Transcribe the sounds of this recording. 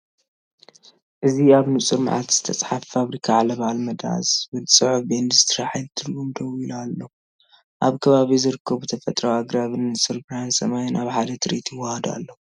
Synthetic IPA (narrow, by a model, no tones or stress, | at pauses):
ʔɨziaβnɨsʼɨɾm̰ʕa̰t̪z̥ɨt̪ʰɐt͡sʼħaffaβɾikʰaʕalɐβaalmɐd̪a̰sbɨlsʼɨʕufbend̪ɨzɨt̪ʰɾaħajd̪t̪ʰɨɾɡumd̪ʰowilalːo | ʔaβkʰɐβaβizɨɾɨkʰːɐβut̪ʰɐfɐt̪ʼɾawaɡɾaβɨnɨsʼɨlbɾansɐmajɪnʔaβħad̪ɐt̪ʰɨɾit̪ʰjɪwːahɐd̪a̰lːo